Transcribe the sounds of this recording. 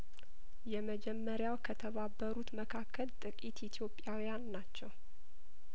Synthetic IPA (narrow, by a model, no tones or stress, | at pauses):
jɛməd͡ʒɛmːəɾjawkʰət̪ʰəβabːəɾut̪məkʰakʰːəlt̪ʼɨkʼit̪it̪ʰjo̞pʼːjawjanːat͡ʃːɛw